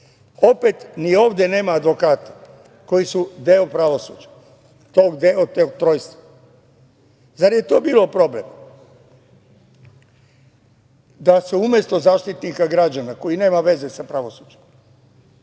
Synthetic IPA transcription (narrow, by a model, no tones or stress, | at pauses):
o̞pet̪nio̞ːʋd̪jene̞ːmaːd̪ʋo̞kaːt̪ḁ | ko̞jisud̪eopɾaʋo̞sṵd͡ʒḁ | t̪o̞ːɡd̪eot̪oɡt̪ɾo̞ːjst̪a | zaɾje̞t̪oːbiːlo̞pɾo̞ble̞̰m | d̪asuumjest̪o̞zaːʃt̪it̪nikaɡɾad͡ʒanako̞jine̞ːmaʋe̞ze̞sapɾaʋo̞sud͡ʒem